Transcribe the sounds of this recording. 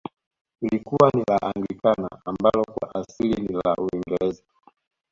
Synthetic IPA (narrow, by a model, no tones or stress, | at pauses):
ulikuwanilaʔaŋɡlikana̰ambalɔkwa̰ʔasilinila̰ʔuiŋɡɛɾɛza